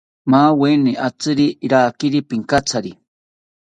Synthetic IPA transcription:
maːweniʔat͡sɨɾiɾaːkiɾipiŋkat͡sʰaɾi

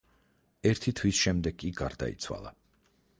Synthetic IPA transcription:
ɛɾt̪ʰit̪ʰwisʃɛmd̪ɛɡːʼiɡaɾd̪a̰ḭt̪sʰwa̰lˠa

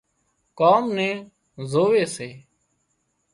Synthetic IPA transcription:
kaːmnẽː | zoːʋeːseː

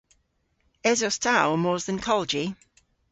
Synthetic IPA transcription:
ɛzɔstʰawmɔːzðə̃nkʰɔlˠd͡ʒi

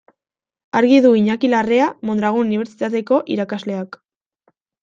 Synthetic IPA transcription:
aɾɣiðuiɲakilareamo̞nd̪ɾaɣ̞ununiβe̞ɾt͡ʃit̪at̪e̞ko̞ʔiɾakazle̞ak

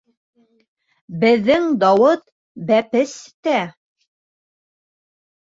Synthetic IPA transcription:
bɘ̆ðːɘŋd̪ɑwɤt̪ | bæpɘst̪æ

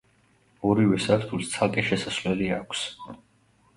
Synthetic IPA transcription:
ɔɾivɛsaɾt̪ʰulˠst̪sʰalkʼɛʃɛsasvlɛliakʷʰs

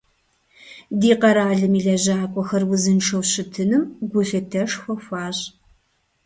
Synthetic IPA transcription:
diːqɐɾaːɮɨmiːɮɐʑaːkʷʼɔxɐrwʊzɨnʈ͡ʂʰɐwɕɪtʰɨnɨmɡʷʊɬɨtʰɐʂxʷɐxʷaːɕ

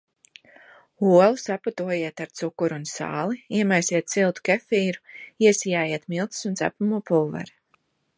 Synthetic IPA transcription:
uɔlˠusapat̪uɔjiɛt̪aɾt̪sukːuɾunsa̰ːlˠiiɛmajsiɛt̪̚silˠt̪u̥kɛfiːɾuiɛsijaːjiɛt̪milˠt̪i̥sunt̪æ̰pumuːpulˠva̰ɾ

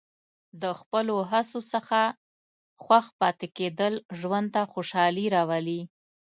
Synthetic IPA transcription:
d̪əxpəloɦasosəxa | xwaxpɑt̪eked̪əlʒwand̪̚t̪axoʃɑliɾɑwali

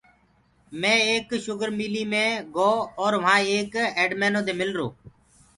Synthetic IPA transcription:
mẽːeːkʃʊɡəɾmiːliːmẽːɡoːɔːɾʋãːeːkeːɖmɛːnõːd̪eːmɪlɾo̰ː

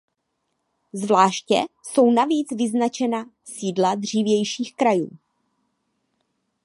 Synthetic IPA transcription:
zvlaːʃcɛ̰so̞wnaviːt͡svɪznat͡ʃɛna | siːdladr̝iːvjɛjʃiːxkɾajṵː

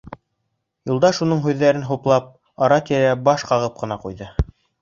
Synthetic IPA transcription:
julˠd̪ɑʃunɤɴɦʉðːæɾɘnɦuplˠɑp̚ | ɑɾɑt̪iɾæbɑʃqɑʁɤp̚qɤ̆nɑqṵjðɤ

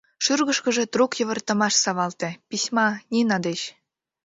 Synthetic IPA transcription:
ʃyrɣə̆ʃkə̆ʒĕt̪rukjə̆βə̆rt̪ə̆mɑʃsɑβɑlt̪ĕpisʲmɑnʲinɑd̪eɕ

